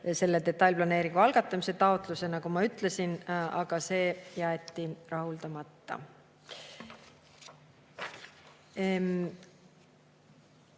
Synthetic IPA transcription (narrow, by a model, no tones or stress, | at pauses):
se̞lːet̪e̞t̪ːˑɑlʲplɑne̞ːɾiŋɡ̥uɑlɡ̥ɑt̪ːˑɑmise̞t̪ɑot̪ˑluse̞nɑkumɑyt̪ːˑle̞sinɑɡ̥ɑse̞ːjæet̪ːˑirɑɦuld̪̥ɑmɑt̪ːɑ̰